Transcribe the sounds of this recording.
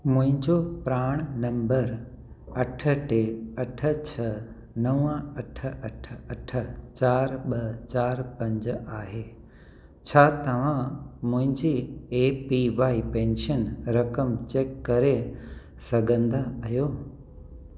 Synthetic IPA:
mʊ̃ɦɪ̃ɲd͡ʑopɾaːɽ̃nɐ̃mbəɾ | ɐʈʰə̆ʈeɐʈʰə̆t͡ɕʰɐ | nɐʋə̃ɐʈʰə̆ɐʈʰəɐʈʰə̆t͡ɕaːɾɓɐt͡ɕaːɾpɐ̃ɲd͡ʑaːɦeː | t͡ɕʰaːt̪ɐʋ̤ãmʊ̃ɦɪ̃ɲd͡ʑiːeːpiʋaːipẽːnʃənɾɐkəmt͡ɕeːkːɐɾe | sɐɡʱə̃nd̪aɐjoː

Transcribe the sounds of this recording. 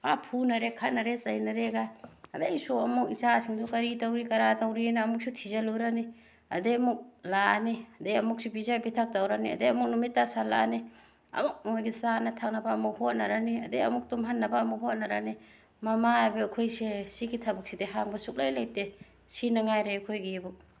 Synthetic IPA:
apʰunɐɾekʰatnɐɾesɐjnɐɾeɡaɐdejsuɐmuk̚isasiŋdukɐɾitawɾikɐɾatawɾinaːmuk̚sʰutʰizaluɾani | ɐ̰deɐmuk̚laniɐdeɐmuk̚subizabitʰak̚tawɾaniɐ̰deɐmuk̚numitːasala̰ni | ɐ̰muk̚mojɡisanɐtʰak̚nɐbaːmuk̚hot̚nɐɾaniɐdeɐmuk̚tumɦɐnːɐbaːmuk̚ɦot̚nɐɾani | mɐmaabekʰojsesiɡitʰabuk̚sideɦaŋbɐsuk̚lajlajte | sinɐŋajɾekʰojɡibu

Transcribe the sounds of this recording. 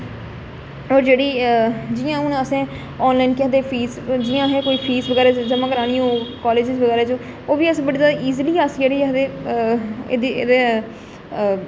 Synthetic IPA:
ɔːɾd͡ʒeːɽiːd͡ʒɪjãːʊnəsẽː | ɔːnlaːɪnkjãd̪eːpʰiːsd͡ʒɪjãːɦɛːkoːiːpʰiːsʋəɡɛːɾeːt͡ʃd͡ʒəmãːkəɾaːniːõːkɔːleːd͡ʒɪzʋəɡɛːɾeːt͡ʃə | oːʋiːəsbəɽiːzjaːd̪aːiːzliːaːsd͡ʒeːɽiːd̪eː | d̪ḭd̪eː

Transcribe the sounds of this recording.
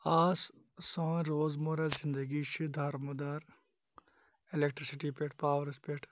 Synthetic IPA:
aːs | sɐ̃ːɾoːzmoːɾɐzɪnd̪əɡiʃʰid̪ʱaɾmɐd̪aːɾ | elekʈɾisiʈipeʈʰpaːʋɾspeʈʰ

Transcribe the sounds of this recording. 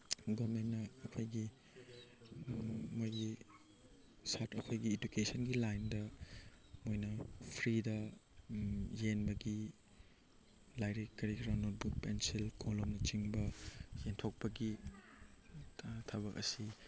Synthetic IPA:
ɡoɾmennːɐːkʰojɡi | mojɡi | satɐkʰojɡied͡ʒukesɐnɡilajndɐ | mojnɐpʰɾidɐ | jenbɐɡi | lajɾikkːɐɾikɾɐnot̚buk̚pensilkolomnɐt͡ʃiŋbɐjentʰok̚pɐɡi | tʰɐβɐkɐ̰si

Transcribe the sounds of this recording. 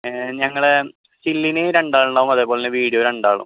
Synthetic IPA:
ɲɐŋːɐɭ | silːinɨɾeɳɖaːɭuɳɖaːʋumɐðeːpːoːɭinɨʋiːɽijoːɾeɳɖaːɭṵm

